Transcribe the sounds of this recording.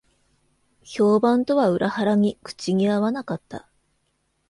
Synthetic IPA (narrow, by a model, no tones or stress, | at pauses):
ço̞ːbãnt̪o̞βaɯ̟ɾʔahaɾaɲ̟ikɯ̟̥t͡ɕiɲiaβanakat̪ːa̰